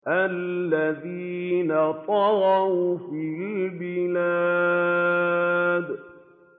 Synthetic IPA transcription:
ʔallːaðinat̪ˤɑɾɑufilbɪlaː | d̪

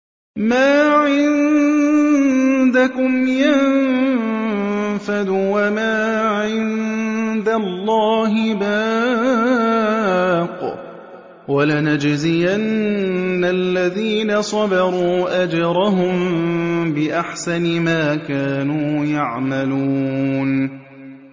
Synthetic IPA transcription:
maːʕɪn | d̪akʊmjan | fad̪uwamaːʕɪnd̪alˤːɑːɦɪbaː | q | walanad͡ʒzɪjanː | alːaðiːnasˤɑdɑɾˤuːʔad͡ʒɑɾˤaɦʊm | bɪʔaħsanɪmaːkaːnuːjaʕmaluːn

